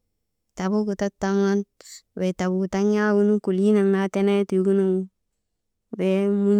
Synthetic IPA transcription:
ta˨bu˦ku˨ta˦tːa˦ŋa˦nwe˨ta˨bu˨ku˨ta˦ŋa˦wu˦nu˦ku˨li˦na˨ŋna˨te˦ne˦tju˦ku˦na˨ŋ | be˦mu˦ɲ

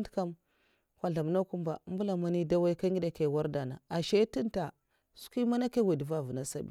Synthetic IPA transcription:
ndka˦m | kʷa˨ɮa˨m˨na˦ku˦mba̰˨˦m˦bu˦la˨ma˦ni˦da˦wa˦i˦ka˦ŋɡi˦da˨ke˨wa˦ɾda˨na˨a˨ʃe˦ti˦nta˨ | su̥˦ki˦ma˦na˦ke˦we˨dva˦˨vu˨na˦sa˦bḭ˦

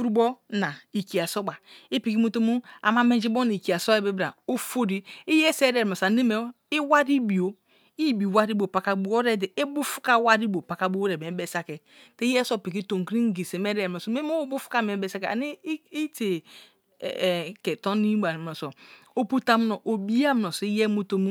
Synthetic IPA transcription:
fu˦ɾu˦bo˦na˨i˨ki˨a˨so˦ba˨i˦pi˨ki˦mu˦to˦mu˦a̰˨ma˦me˦n˦d͡ʒi˦bo˦na˨i˨ki˨a˨so˦e˦be˦bɾa˨o˦fo˦di˦i˦je˦se˦ɾe˦˨ɾa˨sa˨ne˦me˨˦ | i˦wa˦ɾi˦bi˨o˦ | i˦˨bi˨wa˦ɾi˦bo˨pa˨ka˨bu˦o˦ɾe˦de˨e˦bu˦fu̥˦ka˦wa˦ɾi˦bo˨pa˨ka˨bu˦o˦ɾe˨m˨e˨˦be˦sa˦ke˨ | te˦ɛ˦so˦˨pi˨k̬i˦to˨ŋ˨kɾi˦ŋ˦ɡi˨se˨me˦ɾe˨o˨so˨me˦m˦bu˦fu̥˦ka˦me˨˦be˨sa˦ke˨a̰˨ni˦i˦tḛ˨ | ke˨to˦ni˦ba˨m˨o˨so˨ | o˦pu˦ta˦m˦no˨ʔo˨bi˦a˦m˨no˨sɔ˨i˦je˦mu˦to˦mu˦

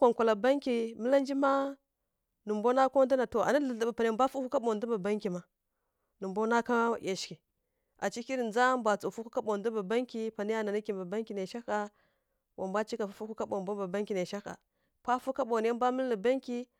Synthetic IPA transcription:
kʷa˨ŋkʷa˨la˨ba˦ŋkʲi˨mə˦la˦nd͡ʒi˦ma˦ | nu˨mbo˦na˦ko˦da˦na˨to˨a̰˨na˦ə˨ɬa˨ba˨pa˨n˨a˨m˦bʷa˦fu˦ku˦ka˦ɓo˨du˦ba˨ba˦ŋki˨ma˨ | nu˨mbo˦na˦ka˦je˨ʃki˨ | a˨t͡ʃi˦ki˦ɾi˨nd͡za˦mbʷa˨t͡su˨fu˦ku˦ka˦ɓo˨ndu˦ba˨ba˦ŋki˦pa˨ni˦ja˦na˨ni˦kʲi˨mba˨ba˦ŋkʲi˨na˨ʃa˦ka˨˦ | wʔa˨mbʷa˦t͡ʃi˦ka˨fu˦fu˦ku˦ka˦ɓo˨bʷa˦ba˨ba˦ŋkʲi˨na˨ʃa˦ka̰˨ | pa˦fu˦ka˦ɓo˨n˨a˦m˦bʷa˦mə˦llə˨ba˦ŋki˦

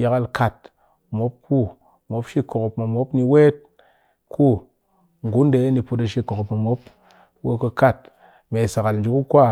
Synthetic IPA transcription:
ja˦ka˦˨lka˨t̚ | mo˨˦p̚kʰu˦˨ | mo˨˦pʃi˦ko˨ko˨pma˨mo˦pni˧we˦t̚ | kʰu˦˨ | ŋ˨ɡu˨˦nde˨˦ni˧pu˧ta˧ʃi˧ko˨ko˨pmo˨mo˦p̚ | wo˦kə˧ka˦˨t̚ | me˨sa˨ka˨ln˨d͡ʒu˨˦ku˦kʷa˦˨

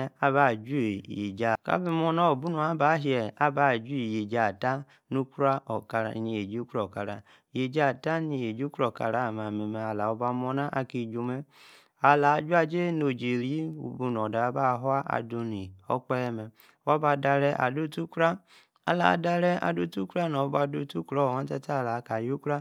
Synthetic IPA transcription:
a˦βa˦˨d͡ʒu˦˨jḛ˨d͡ʒa˨ka̰˦bi˦mɔ˧na˦o˨bu˦nu˨a˨˦ba˨˦ɦi˨˦ɛ˨a˦ba˦˨d͡ʒu˦i˨je˨d͡ʒa˨ta˦ | nu˦ku˦ɾa˦ɔ˨ka˨ɾ̰ni˧je˨d͡ʒi˦u˦ku˦ɾɔ˦˨ka˨ɾa̰˨ | je˨d͡ʒa˦˨ta˦ni˧˨je˨d͡ʒu˦ku˦ɾɔ˨ka̰˧˨ɾa˨˦˨ma˨me˨mɛ˨a˨la˨ɔ˧ba˧mɔ˧na˦ʔa˦ki˧˨d͡ʒo˧mɛ˦ | a˨la˨˦d͡ʒu˦a˦d͡ʒe˦no˨d͡ʒe˨ɾi˦ṵ˨bu˧n˨ɔ˨da˨˦ba˦˨ɦɔ˦a˦ʔa̰˨do˧ni˨ɔ̰˦k͡pɛ˦ɛ˦mɛ˧˨ | wa˦ba˧˨da˧ɾɛ˧ʔa̰˨do˦tu˦kɾa˦ | a̰˨la̰˨da˧ɾɛ˦a̰˨do˦˨tu˦kɾa˦nɔ˨˧˦ba˧do˦˨tu˦kɾɔ˦˨ha˨˦n˦tɛ˦ta˦˨la˨˦ka˨ju˦kɾa˦

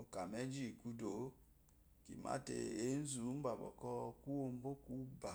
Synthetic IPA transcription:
o˨ka˨me˦d͡ʒi˦˨ku˧do˨˦ | ki˨ma̰˦tḛ˨e˨˦n̩˦zu˨˦m̩˦ba˨bɔ̰˨kɔ˧ku˦o˧m˦bo˦ku˦ba˨

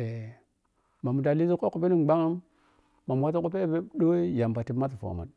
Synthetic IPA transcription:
e˨ | ma˨mu˨ta˨li˦zi˦ko˦ku˨pi˦ni˦mɡ͡ba˦ŋa˦mː | a˨m˨wa˦t̬a˦ku˦pe˦be˦ɗo˦i˦ja˨mpa˨ti˨ma˦tu˨fo̰˨ma̰˨n

